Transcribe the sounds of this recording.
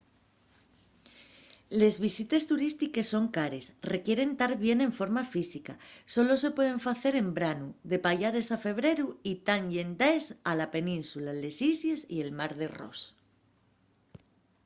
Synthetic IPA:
le̞zβisit̪e̞st̪uɾist̪ike̞sːo̞ŋkaɾe̞sre̞kje̞ɾe̞nt̪aɾβje̞nẽ̞ɱfo̞ɾmafisikaso̞lo̞se̞pwe̞ð̞eɱfaθe̞ɾe̞mbɾanuðe̞paʝaðe̞safe̞β̞ɾe̞ɾuit̪anʎe̞nd̪aesalape̞nĩnsulale̞sisjesḭe̞lmaɾðe̞ro̞̰s

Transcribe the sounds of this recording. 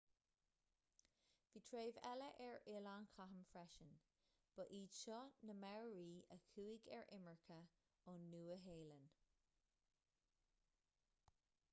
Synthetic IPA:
v̥iːtʰɹeːvɛləʔɛɹɪlankʰaɦəmfɹɛʃən | b̥əʔiːʃɔnəmɛɹɹiːəkʰuːɪɡɛɹʔɪməɹkʰə | ʊnːuːəɦeːlən

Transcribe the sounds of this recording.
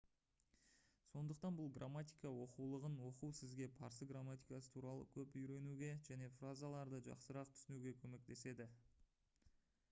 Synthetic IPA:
so̞nd̪əq̚t̪ɑnbʊlˠɡrʔamːat̪ʲijkɑwo̞qulˠəʁənwo̞quwsɪzɡʲe̞pʰɑɾsəɡramːat̪ʲijkɑsə̥t̪ʰuɾɑlˠə̰kʲʰɵpʏjɾe̞nuɡʲe̞ʒæne̞frazalˠɑɾd̪əʒɑ̰qsəɾɑqt̪ʰʏ̥sɪnuɡʲe̞kʲʰɵme̞k̚t̪e̞se̞d̪ɪ

